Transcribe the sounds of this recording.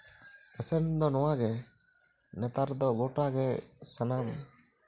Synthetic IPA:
əsɛnd̪ɔnɔwaɡɛ | nɛt̪aɾd̪ɔɡɔʈaɡɛsanam

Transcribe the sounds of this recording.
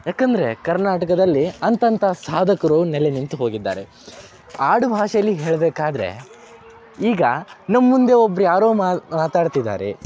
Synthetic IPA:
jaːkɐnd̪ɐɾe̞kɐɾnaːʈɐkɐd̪ɐlːiɐnt̪ɐnt̪ʰɐsaːd̪ʱɐkɐɾunɛlenint̪uɦo̞ːɡid̪ːa̰ːɾe̞ | aːɽubʱaːʂɐlːiɦeːɭbeːkaːd̪ɐɾe̞̰ | iːɡɐnɐmːund̪e̞obːɐɾjaːɾoːmmaːt̪aːɖt̪id̪ːa̰ːɾḛ

